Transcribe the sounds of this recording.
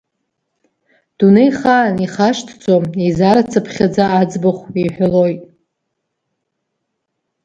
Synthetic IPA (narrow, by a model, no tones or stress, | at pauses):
d̥unejχaniχaʂtʰt͡sʷʰʼomizaɾat͡sʰapʰχʲad͡zaːd͡zbaχʷiħʷᶣalo̞jtʼ